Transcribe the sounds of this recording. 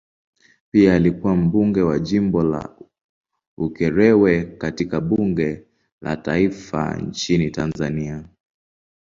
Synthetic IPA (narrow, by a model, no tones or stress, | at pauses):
piaːlikuwam̩ɓuŋɡɛwaʄimbɔla̰ | ukɛɾɛwɛkatikaɓuŋɡɛ | la̰ta̰ifa̰nt͡ʃinitanzania